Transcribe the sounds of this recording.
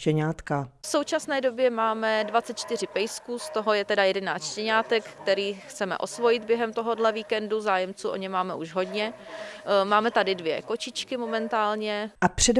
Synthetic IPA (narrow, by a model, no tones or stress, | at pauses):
cɛɲaːt̪kafso̞wt͡ʃasnɛːdo̞bjɛmaːmɛdvat̪t͡sɛt̪̚t͡ʃt̪ɪr̝ɪpɛjskuːst̪o̞ɦo̞jɛt̪ɛdajɛdɛnaːst̪t͡ʃʃcɛɲaːt̪ɛkkt̪ɛɾiːxt͡sɛmɛ̰ʔo̞svo̞jɪd̪̚bjɛɦɛmt̪o̞ɦo̞dlɛviːkɛnduzaːjɛmt͡suːʔo̞̰ɲɛmaːmɛʔuʒɦo̞dɲɛ | maːmɛt̪adɪdvjɛ̰ko̞t͡ʃɪt͡ʃkɪmo̞mɛnt̪aːlɲɛʔapr̝̥ɛd